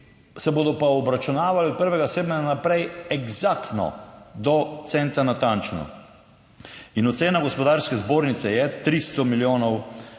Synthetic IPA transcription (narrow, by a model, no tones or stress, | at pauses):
sɛboːd̪ɔpaɔbɾat͡ʃunaːʋaliɔd̪̚pəɾʋɛɡaseːbnɛanapɾɛjɛɡzakt̪nɔ̰d̪ɔt̪sɛnt̪anat̪ant͡ʃnɔ̰ | inɔt̪seːnaɡɔspɔd̪aɾskɛzboːɾnit̪sɛjɛt̪ɾist̪ɔmiljoːnɔw